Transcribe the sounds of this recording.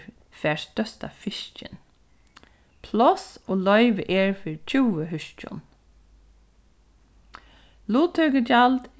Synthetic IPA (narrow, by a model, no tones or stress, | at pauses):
fɛːɹst̪œst̪a̰fɪʃt͡ʃɪ̰n | pʰlɔsoːlɔʏʋəʔeːɹfɪɹt͡ʃʰuːəɦʏʃt͡ʃʊ̰n | luːt̪ʰœɡəd͡ʒald̪